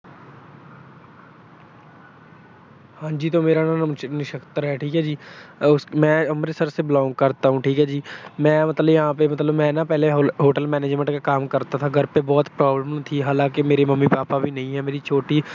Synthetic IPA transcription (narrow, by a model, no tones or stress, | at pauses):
hãːd͡ʒiːt̪omeːɾannɪʃəkt̪əɾɦɛʈʰiːkɦɛd͡ʒiːʊsmɛ̃ːɐmɾesəɾseblaːʊŋɡ̚kəɾt̪aɦũʈʰiːkɦɛd͡ʒiːmɛ̃ːmɐt̪ləbjɐɦãːpemɐt̪ləbmɛ̃ːnapɛːɦleɦoːʈəlmɛːneːd͡ʒmə̃ɳʈkakaːmkəɾt̪at̪ʰaɡʱəɾpebɔːt̪pɾaːbləmt̪ʰiɦaːlãːkemeːɾeməmːipaːpabʱinɐɦĩɦɛːmeːɾit͡ʃʰoːʈiː